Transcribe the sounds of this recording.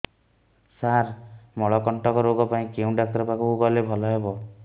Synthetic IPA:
saɾmɔɭɔkɔɳʈɔkɔɾoɡɔpaĩkeũɖak̚t̪ɔɾɔpakuubalebʱɔlɔɦebɔ

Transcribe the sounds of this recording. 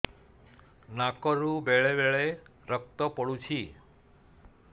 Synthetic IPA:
nakɔɾubeɭebeɭe | ɾək̚t̪ɔpɔɽut͡ʃʰi

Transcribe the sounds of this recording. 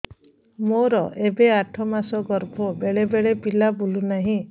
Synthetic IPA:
moɾɔʔebeaʈʰɔmasɔɡɔɾbʱɔbeɭebeɭepilabulunaɦĩ

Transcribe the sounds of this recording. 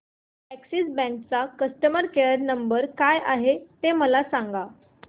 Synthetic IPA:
æksisbɛ̃ŋk̚t͡sakəsʈəməɾkeəɾnəmbəɾkajʔaɦet̪eməlasaŋɡa

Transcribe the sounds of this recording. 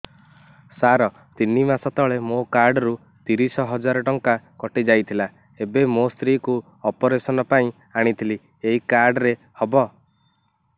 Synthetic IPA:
saɾɔ | t̪inimasɔt̪ɔɭemokaɾɖɔɾu | t̪iɾisɔɦɔd͡ʒaɾɔʈɔŋkakɔʈid͡ʒajt̪ʰila | ebemost̪ɾiku | ɔpɔɾesɔnɔpaĩ | aɽ̃it̪ʰili | eɦikaɾɖɾe | hɔbɔ

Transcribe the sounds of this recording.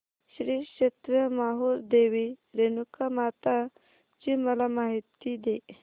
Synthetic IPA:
ɕɾiɕet̪ɾəmaɦuɾd̪eʋiɾenukamat̪a | t͡ɕiməlamaɦit̪id̪e

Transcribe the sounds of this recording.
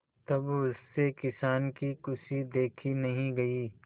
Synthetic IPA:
t̪ɐbʊsːekɪsaːnkikʊsid̪eːkʰinɐɦĩɡɐiː

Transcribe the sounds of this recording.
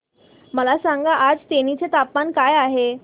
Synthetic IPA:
məlasaŋɡaʔad͡zt̪eñit͡set̪apmankajaɦe

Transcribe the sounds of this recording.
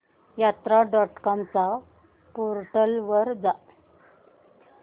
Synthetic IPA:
jat̪ɾaɖɔʈkɔmt͡sa | poɾʈəlʋəɾd͡za

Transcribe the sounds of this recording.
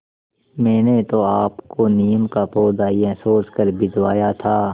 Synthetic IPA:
mɛ̃ːnet̪oaːpkonijəmkapoːd̪aːiẽsoːskəɾbɪd̪waːjat̪ʰaː

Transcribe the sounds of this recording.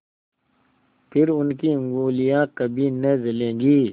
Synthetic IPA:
pʰɪɾʊnkiə̃ŋɡuːlijãːkɐbʱinɐd͡ʒɐlẽːɡiː

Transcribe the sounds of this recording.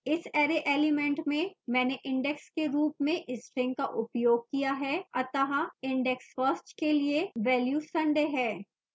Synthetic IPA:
ɪsɛːɾeʔeːlɪmɛ̃ɳʈmẽmɛ̃ːneʔɪ̃ɳɖɛkskeɾuːpmẽʔɪsʈɾɪ̃ŋɡ̚kaʔʊpjoːɡ̚kijaɦɛɐt̪aɦaɪ̃ɳɖɛksfəsʈkelieʋɛːljuːsɐ̃ɳɖeɦɛː

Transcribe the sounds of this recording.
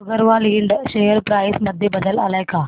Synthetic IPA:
ɐɡəɾʋaːliːɳɖʃejəɾpɾaːɪsmɐd̪ʱjebɐd̪əla̰laːɪkaː

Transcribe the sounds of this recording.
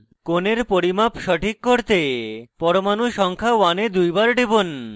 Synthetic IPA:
koneɾpoɾimapʃɔʈʰikːoɾt̪epɔɾomanuʃɔŋkʰawaned̪ujbaɾɖebon

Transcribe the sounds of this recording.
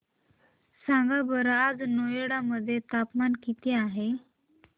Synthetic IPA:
sãŋɡabəɾad͡znojeɽaməd̪ʱːjet̪apmankit̪iaɦe

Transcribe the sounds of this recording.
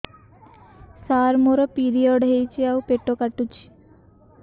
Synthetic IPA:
saɾmoɾɔpiɾijɔɖɦejt͡ɕiawpeʈːokaʈːut͡ɕi̥

